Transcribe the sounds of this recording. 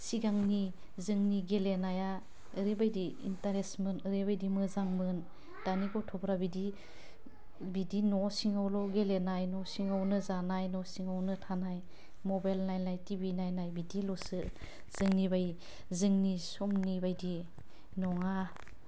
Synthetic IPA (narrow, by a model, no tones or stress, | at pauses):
siɡaŋni | zɯŋniɡelenaja | ɯɾibajdḭːntaɾesmɯnɯɾebajdimɯzaŋmɯn | tanikɔtʰɔbɾabidi | bidinɔsiŋawlɔɡelenajnɔsiŋawnɯzanajnɔsiŋawnɯtʰanaj | mɔbajlnajnajtibinajnajbidilɔsɯ | z̥ɯŋnibaj | zɯŋnisɔmnibajdi | nɔŋa